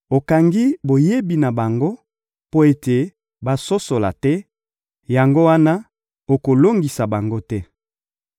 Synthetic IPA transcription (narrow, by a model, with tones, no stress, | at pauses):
o˨ka˨ŋɡi˦bo˨je˦bi˨na˨ba˨ŋɡo˦ | po˦e˦te˨ | ba˦so˦so˨la̰˨tɛ˦ | ja˨ŋɡo˦wa˦na˦ | o˨ko˨lo˦ŋɡi˨sa˨ba˨ŋɡo˦tɛ˦